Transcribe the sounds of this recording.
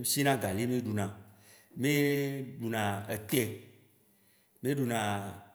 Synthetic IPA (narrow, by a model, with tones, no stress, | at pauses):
si˦nã˦ɡa˨li˦mẽ˦ɖu˨nã˨ | mẽ˦ɖu˨nã˨e˨t̪ɛ˦ | mẽ˦ɖu˨nã˨